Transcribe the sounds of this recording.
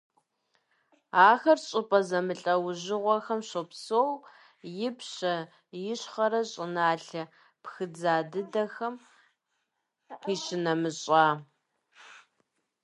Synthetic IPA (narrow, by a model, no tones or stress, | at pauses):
aːxɐrɕʼɪpʼɐzɐmɨɬʼɐwʑɪʁʷɔxɐmɕopsoːw | jɪpɕɐ | jɪɕχɐɾɐɕʼɪnaːɬɐ | pxɨd͡zaːdɨdɐxɐm | qiːɕɪnɐmɨɕʼaː